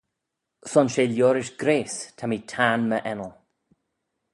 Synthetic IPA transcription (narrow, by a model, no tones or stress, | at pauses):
sɔnʃeːljoːɾɪʃɡɾeːstʰamiːtʰaːnməʔɛnəlˠ